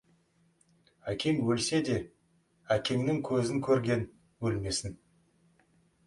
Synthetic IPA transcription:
ækʲe̞ŋwɵlse̞d̪e̞ | ækʲʰe̞ŋnɪŋkʲʰɵzɪŋkʲʰɵɾɡʲe̞n | wɵlme̞sɪn

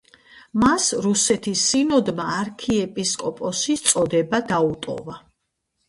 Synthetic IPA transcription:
masɾusɛt̪ʰisːinɔd̪maːɾkʰiɛpʼiskʼɔpʼɔsit̪sʼɔd̪ɛbad̪aut̪ʼɔ̰va

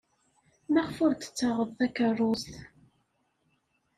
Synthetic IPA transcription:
maʁfʊɾt̪ə̥t͡sːəʁəðˤθækərˤːusθ

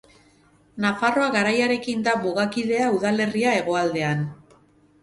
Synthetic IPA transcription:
nafaro̞aɣaɾajaɾe̞kind̪amuɣakiðe̞auðale̞riae̞ɣo̞ald̪e̞an

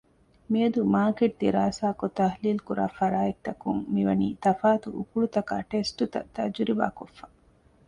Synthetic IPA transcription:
miɐd̪umaːkeʈ̚d̪iɾaːsaːkot̪ɐɦliːlkuɾʔa̰ːfɐɾaːek̚t̪ɐkuŋmiʋɐnḭːt̪ɐfaːt̪uʔukuɭut̪ɐka̰ːʈesʈut̪ɐ̰t̪ɐ̰d͡ʒuɾiʋa̰ːkofːa

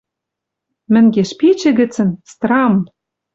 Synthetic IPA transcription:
mɘ̆ŋɡeʃpit͡ɕɘ̆ɣɘ̆t͡sɘ̆nst̪rɑm

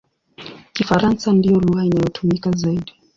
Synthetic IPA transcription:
kifaɾansandijɔluhainajɔtʰumikazaiɗi

